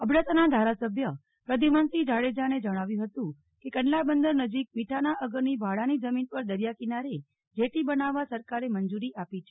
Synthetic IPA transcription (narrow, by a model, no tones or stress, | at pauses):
əbɽat̪nad̪ʱaɾasəbʱjə | pɾəd̪ʱimənsid͡ʒaɭed͡ʒaned͡ʒəɽ̃aʋjũɦət̪ũ | kekənlabənd̪əɾnəd͡ʒik̚miʈʰanaʔəɡəɾnibʱaɽanid͡ʒəminpəɾd̪əɾjakinaɾe | d͡ʒeʈibənaʋːasəɾkaɾemənd͡ʒuɾiʔapit͡ʃʰe̥